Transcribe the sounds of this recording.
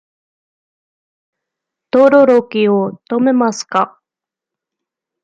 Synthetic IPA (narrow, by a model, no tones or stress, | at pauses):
t̪oɾoɾokʲiot̪o̞me̞masɨ̥ka